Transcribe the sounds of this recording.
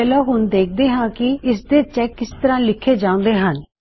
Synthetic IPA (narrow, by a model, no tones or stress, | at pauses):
ɛːlãːɦʊnd̪eːk̚ʰd̪eːɦãːkɪɪsd̪eːt͡ʃɛːkːɪst̪əɾãːlɪkʰːeːd͡ʒaːõːnd̪eːɦən